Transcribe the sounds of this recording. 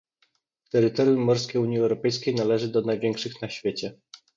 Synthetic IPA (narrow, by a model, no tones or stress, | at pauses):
t̪ɛɾɘt̪ɔɾjumːɔɾskʲeuɲjiɛwɾɔpɛjskʲejnalɛʐɘd̪ɔnajvʲjɛŋkʂɘxnaɕfʲjet͡ɕɛ